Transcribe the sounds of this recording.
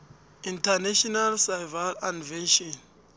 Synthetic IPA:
intʰanaʃɔnalsajvalãnvɛnʃɔn

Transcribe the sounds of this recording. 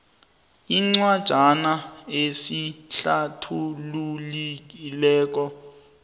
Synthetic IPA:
iŋ͡ǀwad̥ʒ̥ʱanaesiɬatʰululik̬ilɛːk̬ɔ

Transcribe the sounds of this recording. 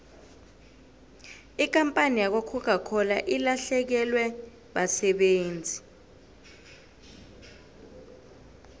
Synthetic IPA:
ik̬ʼampʼanijak̬wakʰukʰakʰɔlaʔilaɬɛk̬ɛlwɛ | ɓasɛɓeːnd͡zʱi

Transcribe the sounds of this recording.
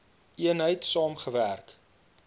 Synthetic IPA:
iənɦəjtsɑːmχəværk

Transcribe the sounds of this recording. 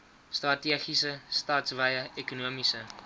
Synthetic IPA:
strɐtiəχisəstɑːtsvɛjəʔekunuəmisə

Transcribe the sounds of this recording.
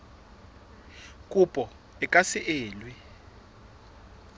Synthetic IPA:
k̬ʼupʼɔ | ɛkʼasɪʔeːlwi

